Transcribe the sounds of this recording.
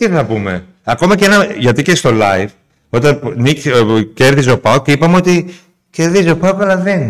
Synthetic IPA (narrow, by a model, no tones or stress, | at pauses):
t̪iθɐpume̞ | ɐko̞mɐceenɐʝɐt̪icest̪o̞lɐiv | o̞t̪ɐnnikce̞ɾðizo̞pɐoceipɐmeo̞t̪i | ce̞ɾðizopɐokɐlɐveni